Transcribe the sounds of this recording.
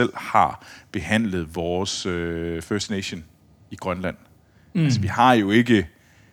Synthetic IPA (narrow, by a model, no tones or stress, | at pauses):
el̰hɑ̈b̥e̝hæn̰ləð̞̩ˠʋɒːsøføɐsd̥neɕo̝n | iɡ̥ʁɶnlæn̰ | ælsəʋihɑ̈jo̝e̝ɡ̥ə